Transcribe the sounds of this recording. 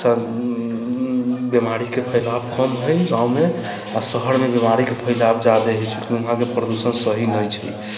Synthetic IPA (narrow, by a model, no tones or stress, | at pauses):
a | bemaɾikepʰəjlabkəmɦojɡãũme | asəɦəɾmebemaɾikepʰəjlabd͡ʒad̪eɦɛt͡ʃʰukiuɦãkepɾəd̪usənsəɦinəjt͡ʃʰḭ